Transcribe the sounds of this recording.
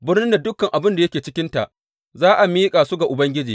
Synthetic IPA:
bɪ˦rnɪ˦nda˨dʊ˦kːɐ˨ŋʔa˨bɪ˦nda˨jɐ˦kʲeː˨t͡ʃɪ˦kʲɪ˦nta̰˨ʔ | zaː˦ʔa˨miː˦kʼaː˨su˦ɡa˨ʔʊ˨bɐ˦ŋɡʲɪ˦d͡ʒiː˨

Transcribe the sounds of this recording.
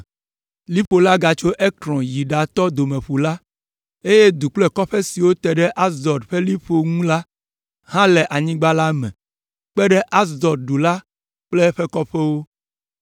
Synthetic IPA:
li˦ɸo˨la˦ɡa˨t͡ʃo˦ʔe˦kɾɔ̃˨ji˨ɖa˨t̪ɔ˦d̪o˨mẽ˨ɸu˨la˦ | e˦je˦d̪u˨k͡plɛ˦kɔ˦ɸɛ˦si˨wo˦t̪ɛ˨ɖɛ˦ʔa˦sd̪ɔ˨dɸe˦li˦ɸo˨ŋũ˦la˦ | hã˦lɛ˨ʔa˨ɲĩ˦ɡ͡ba˦la˦mɛ̰̃˨ | k͡pɛ˦ɖɛ˦ʔa˦sd̪ɔ˨ɾ̚ɖu˨la˦ | k͡plɛ˦ɸɛ˦kɔ˦ɸɛ˦wo˦

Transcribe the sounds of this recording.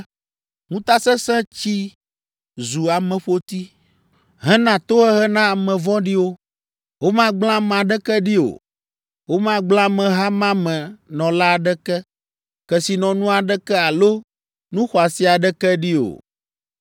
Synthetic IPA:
ŋũ˦t̪a˦sɛ˦sɛ̃˦t͡ɕi˦ | zu˨a˨mɛ̃˨ɸo˦t̪i˦ | ɦɛ̃˦nã˨t̪o˦ɦɛ˦ɦɛ˦nã˦a˨mɛ̃˨vɔ̃˦ɖi˦wo˦ | wo˦mã˦ɡ͡blã˦m˨ã˨ɖɛ˦kɛ˦ɖi˦o̰˨ | wo˦mã˦ɡ͡blã˦mɛ̃˨ɦa˦mã˦mɛ̃˨nɔ̃˨la˦˨ɖɛ˦kɛ˦ | kɛ˨si˨nɔ̃˨nũ˦a˨ɖɛ˦kɛ˦a˨lo˦ | nũ˦xɔ˨a˨si˦a˨ɖɛ˦kɛ˦ɖi˦o̰˨

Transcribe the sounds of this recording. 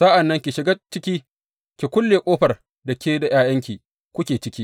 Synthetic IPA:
sa˦ʔa˨nːɐ˦ŋkʲi˨ʃɪ˨ɡa˦t͡ʃɪ˦kʲiː˦ | kʲi˨kʷʊ˦lːeː˨kʷʼoː˦ɸɐ˨r | dɐ˨kʲeː˦da˨j̰aː˦jɐ˦ŋkʲiː˨ | kʷʊ˦kʲeː˨t͡ʃɪ˦kʲiː˦

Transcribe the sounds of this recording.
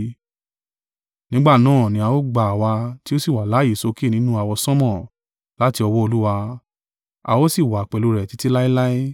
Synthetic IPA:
nĩ˨˦ɡ͡ba˦˨nãː˦˨nĩ˧a˧wo˦ɡ͡ba˨a˨wa˧ti˦o˦si˦˨wa˨la˨˦i˨so˧ke˦˨nĩ˨˦nũ˦a˧wɔ˧sɔ̃˦mɔ̃˦˨ | la˦ti˧ɔ˧wɔ˦o˧lu˦wa˧ | a̰˧wo˦si˦˨wa˨k͡pɛ˨lu˧ɾɛ˨ti˨˦ti˦la˦i˦la˦i˦

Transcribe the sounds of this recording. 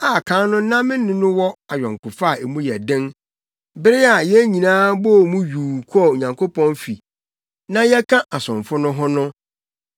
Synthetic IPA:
a˨kʰã˨˦nʊ̃˦nã˦mɪ̃˦nːɪ̃˦nʊ̃˦wɔ˦a˨ɥᶣɔ˨ŋ˨kʰʊ˨fa˦˨e˨mũ˦jɛ˨dɪ̃˦n | bɪ˦ɾɪ˦a˨jɛ˦ɲĩ˨nãː˦bɔ˦˨mũ˦ɥuː˨kʰɔ˦˨o˨ɲã˨ŋkʰo˦pʰɔ̃˦nfi˨ | nã˦jɛ˦kʰã˦ʔa˨sʊ̃˨ɱfʊ˦nʊ̃˦ɦɔ˦nʊ̃˦

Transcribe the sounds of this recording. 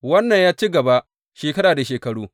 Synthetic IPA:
wɐ˦nːɐ˨ɲjaː˦t͡ʃi˦ɡɐ˨ba˦ | ʃeː˨kɐ˦ɽaː˨da˨ʃeː˨kɐ˨ɽuː˦

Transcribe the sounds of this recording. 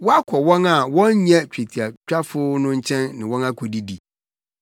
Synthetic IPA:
wɔ˦a˦kʰɔ˨wɔ̃˦na˨wɔ̃˦ɲ˦ɲɛ̃˦t͡ɕᶣe˨tʰi˨a˨t͡ɕᶣa˦fʊ˦nʊ̃˦ɲ̩˦t͡ɕʰɛ̃˦nːɪ̃˨wɔ̃˦na˦kʰɔ˨di˦di˨

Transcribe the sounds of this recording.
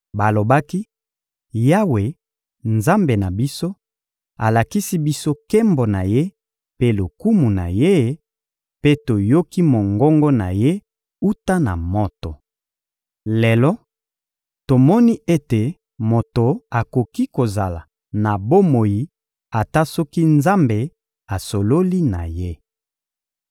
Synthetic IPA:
ba˨lo˨ba˦ki˦ | ja˦we˨ | nza˦mbe˨na˨bi˦so˦ | a˨la˨ki˦si˦bi˦so˦kɛ˦mbɔ˨na˨je˦ | pe˦lo˨ku˦mu˨na̰˨je˦ | pe˦to˨jo˦ki˦mo˨ŋɡɔ˦ŋɡɔ˦na̰˨je˦ | u˦ta˦na̰˨mo˦to˨ | le˨lɔ˦ | to˨mɔ˦ni˦e˦te˨ | mo˨to˨a˨ko˨ki˦ko˨za˨la˨ | na˨bo˦mo˨ji˨ | a˨ta˦sɔ˦ki˦nza˦mbe˨ | a˨so˨lo˦li˦na̰˨je˦

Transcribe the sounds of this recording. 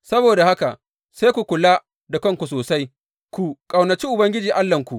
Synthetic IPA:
sɐ˦boː˨da˨ha˦ka˨ʔ | seː˦kʷu˨kʷʊ˨la˦ | dɐ˨kɐ˦ŋkʷu˨s̬oː˨sa˦j | kʷu˨kʼa˨wnɐ˨t͡ʃiː˦ʔʊ˨bɐ˦ŋɡʲɪ˦d͡ʒiː˨ʔa˦lːɐ˨ŋkʷu˨ʔ

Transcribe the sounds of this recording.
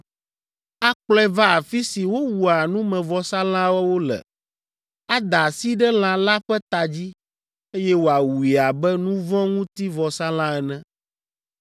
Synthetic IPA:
a˦k͡plɛ˦va˦a˨fi˦si˨wo˦wu˨a˨nũ˦mɛ̃˨vɔ˨sa˦lã˦wɛ˦wo˦lɛ̰˨ | a˦d̪a˨si˦ɖɛ˦l̃ã˨la˦ɸɛ˦t̪a˨d͡ʑi˦ | e˦jɛ˦wo˨a˨wu˨i˨a˨bɛ˦nũ˦vɔ̃˦ŋũ˦t̪i˦vɔ˨sa˦lã˦ɛ˨nɛ̃˦

